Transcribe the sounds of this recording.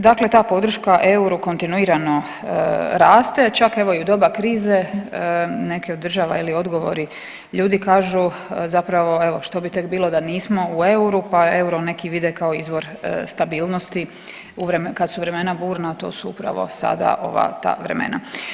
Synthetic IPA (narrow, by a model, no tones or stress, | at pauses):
d̪akle̞t̪aːpo̞d̪ɾ̩ʃkaʔe̞uɾuko̞nt̪inuiːɾano̞ | ɾaːst̪e̞t͡ʃake̞ʋo̞iud̪o̞bakɾiːze | ne̞keod̪ːr̩ʒaːʋa̰ilio̞d̪ɡo̞ʋo̞̰ɾi | ʎuːd̪ikaːʒuzapɾaʋo̞e̞ʋo̞ʃt̪o̞bit̪e̞kbiːlˠo̞d̪aniːsmo̞ue̞uɾupae̞uɾone̞kiʋid̪ekao̞izʋo̞ɾst̪abiːlˠnost̪i | uʋɾemkad̪suʋɾe̞me̞nabuːɾnat̪o̞̰ːsuṵpɾa̰ʋo̰sa̰d̪a̰ʔo̞̰ʋa̰t̪a̰ːʋɾḛmḛna̰